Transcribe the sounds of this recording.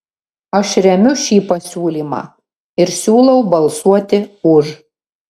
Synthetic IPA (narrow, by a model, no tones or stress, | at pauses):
ɐʃɾʲɛmʲʊʃʲiːpɐsʲuːlʲiːmɑ̰ː | ɪɾsʲuːlˠɐʊbɐlˠsuɔt̪ʲɪʊʒ